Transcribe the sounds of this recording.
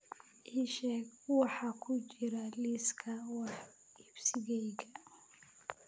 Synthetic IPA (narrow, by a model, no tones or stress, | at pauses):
ʔiʃɛɡwɑħɑkʰʊt͡ʃɪɾɐliːskʰɐwɑħ | ɪbsɪɣɛjɣɐ